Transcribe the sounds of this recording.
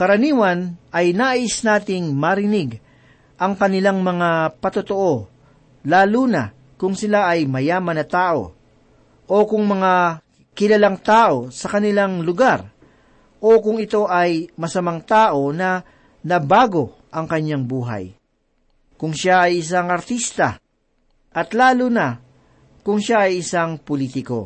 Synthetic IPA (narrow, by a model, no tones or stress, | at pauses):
kɐɾɐniːwɐnʔɐjnaʔaʔɪsnaːt̪ɪŋmɐɾɪnɪɡ | ʔɐŋkɐnɪlaŋmɐŋapɐt̪ot̪oʔo̞ | laːluːnɐ̰ | kʊŋsɪlaʔɐjmɐjaːmɐnɐt̪aːʔo̞̰ | ʔo̞kʊŋmɐŋa | kɪlɐlaŋt̪aːʔo̞sɐkɐnɪlaŋlʊɡaɾ | ʔokʊŋɪt̪o̞ʔɐjmɐsɐmaŋt̪aːʔo̞nɐ | nɐbaːɡo̞ | ʔɐŋkɐɲːaŋbuːɦɐ̰j | kʊŋʃaɐjɪs̬aŋɐɾt̪ist̪ɐ̰ | ʔɐt̪laːluːnɐ | kʊŋʃaʔɐjɪsaŋpolit̪ɪko̞̰